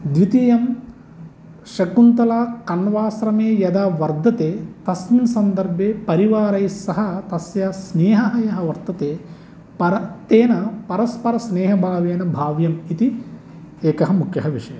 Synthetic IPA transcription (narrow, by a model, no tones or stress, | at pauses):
d̪ʋit̪iːjɐm | ʃɐkunt̪ɐlaːkɐnʋaːsɾɐmeːjɐd̪aːʋɐɾd̪ʱɐt̪eːt̪ɐsminsɐnd̪ɐɾbʱjeːpɐɾiʋaːɾɐjsɐɦɐt̪ɐsjasneːɦɐɦɐjɐɦɐʋɐɾt̪ɐt̪eː | pɐɾɐt̪eːnɐpɐɾɐspɐɾɐsneːɦɐbʱaːʋeːnɐbʱaːʋjɐmit̪i | eːkɐɦɐmukʰjɐɦɐʋiʂɐjɐm